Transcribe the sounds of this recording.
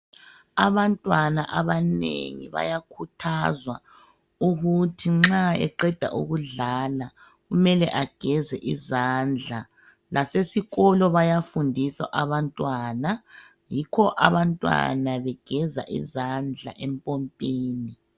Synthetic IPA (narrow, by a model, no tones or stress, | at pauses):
aβantʼwanaʔaβanḛŋḭβa̰jakʰutʰazwa | uɣutʰiŋ͡ǁaɛ̰ǃɛd̥ʱa̰ʔuɣuɮala | ɣumɛlɛʔaɡ̥ʱɛzɛʔizand͡ɮʱa | lʔasesiɣɔlɔβajafundʱisa̰ʔaβantʼwana | jikʰɔʔaβantʼwa̰naβɛɡ̥ʱɛza̰ʔḭzand͡ɮʱa̰ʔɛmpʼɔmpʼiːni